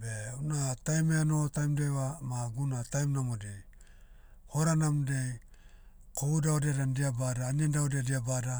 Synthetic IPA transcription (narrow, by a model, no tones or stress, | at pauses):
beunatajmeanotajmdejwamaɡunatajmnamodej | hoɾanamdej | kʰoudaodeaɾandiabadaːniandaodiadiabada